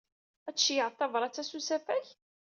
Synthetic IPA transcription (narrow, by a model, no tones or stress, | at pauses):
æt͡sːjəʕt̪ˤːɑvɾˤɑt͡sːæsusæfæç